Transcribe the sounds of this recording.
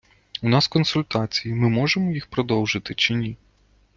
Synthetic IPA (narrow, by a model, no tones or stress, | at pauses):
unɑskɔnsʊlʲt̪at͡sʲijimɪmɔʐɛmɔjixpɾɔd̪ɔwʐɨt̪ɪt͡ʃɪnʲi